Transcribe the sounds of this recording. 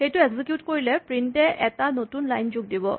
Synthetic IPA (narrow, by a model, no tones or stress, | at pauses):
xejtʊeɡzikjutkoɹilɛpɹintɛʔɛtanotunlajnzuɡ̚dibɔ̰